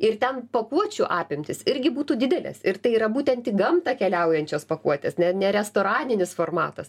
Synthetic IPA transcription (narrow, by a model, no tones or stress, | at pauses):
ɪrt̪ʲɛnpɐkuɔt͡ʃʲuʔɑːpʲɪmʲt̪ʲɪsɪɾʲɡʲɪbuːt̪uːd̪ʲɪd̪ʲɛlʲɛ̰sɪrt̪ɐɪiːɾɐbuːt̪ʲɛnt̪ʲiːɡɐmt̪ɐkʲɛlʲɛʊjɛnʲt͡ʃʲoːspɐkuɔt̪ʲeːsnʲɛnʲɛɾʲɛst̪oːɾɑːnʲɪnʲɪsfoːrmɑ̰ːt̪ɐs